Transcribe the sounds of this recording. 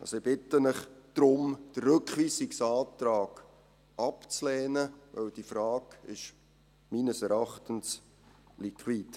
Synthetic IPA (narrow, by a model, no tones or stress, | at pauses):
ʔɑ̰soɪb̥ɪt̪ːənɪχd̪̥ɾʊmd̥ərːɵkχʋiːsɪksɑːtɾɑːɡ̥ | ʔɑpt͡slɛːnəvœ̰wd̥ifɾɑːɡ̥ɪʃ | minəsɛɾɑχtəns | likʰwiːd